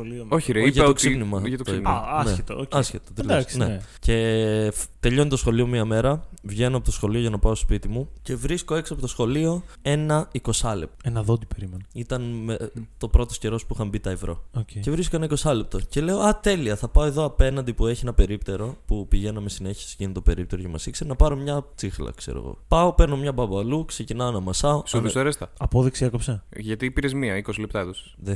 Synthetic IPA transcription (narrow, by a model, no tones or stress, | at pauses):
oliooçɾeʝɐt̪oksipnimɐʝɐt̪ot̪iɐnseet̪ooɐsçet̪ot̪eld̪ɐksnece̞ft̪e̞ʎo̞nit̪osxo̞lio̞miɐme̞ɾɐvʝe̞noɐpot̪oxo̞lio̞ʝɐnɐpɐoso̥spit̪imuce̞vɾisko̞e̞ksiɐpot̪o̞sxo̞lio̞e̞nɐiko̞sɐle̞p̚tenɐðod̪ipeɾimenoit̪ɐnmet̪o̞pɾo̞t̪o̞sce̞ɾo̞spuixɐmbit̪ɐevɾo̞̰ocece̞vɾisko̞enɐiko̞sɐlep̚t̪oce̞le̞oɐt̪e̞liɐθɐpɐoe̞ðo̞ɐpe̞nɐnd̪ipue̞çienɐpe̞ɾipt̪e̞ɾo̞pupiʝenɐmesine̞çi̥si̥ʝinit̪t̪ope̞ɾipt̪e̞ɾocɐmɐ̰sikseɾnɐpɐɾo̞mɲɐt͡sixlɐ̰kseɾo̰ɣo̰pɐo̞peɾno̞mɲɐbɐbɐɐluksecinɐonɐmɐsɐosðseɾest̪ɐɐpoðiksiekopseʝɐt̪iːpiɾezmiɐikosilep̚t̪ɐeðos | ðe